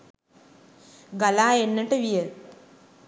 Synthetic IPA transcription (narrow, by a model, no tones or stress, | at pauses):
ɡalaːenːəʈəʋijə